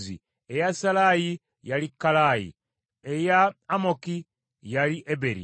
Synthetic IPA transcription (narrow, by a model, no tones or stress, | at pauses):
zḭ | ejasalaji | jalikːalajḭ | ejaːmoki | jaliʔebeɾḭ